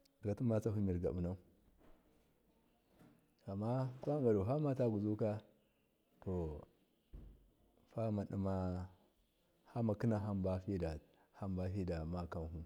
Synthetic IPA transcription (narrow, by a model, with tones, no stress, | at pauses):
ɡa˨tu˦ma˦t͡sa˦hu˦mi˨ɾɡa̰˨bu˨na˦u˦ | a˨mːa˦kʷa˦ɡa˨do˨ɦa˦ma˦ta˦ɡu˨zu˦ka˦ | to˨ | fa˦ma˨ɗḭ˦ma˦ | ha˦ma˨ki˦na˨ɦa˦mba˦fi˦da˨ | ha˦mba˦fi˦da˨ma˦ka˦n˦ɦu˦